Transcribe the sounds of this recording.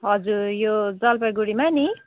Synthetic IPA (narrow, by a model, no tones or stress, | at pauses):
ɦʌd͡zuɾjod͡zʌlpʌjɡuɽimani